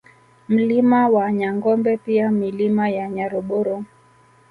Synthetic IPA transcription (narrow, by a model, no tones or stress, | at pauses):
m̩limawaɲaŋɡɔmbɛpiamilimajaɲaɾɔɓɔɾɔ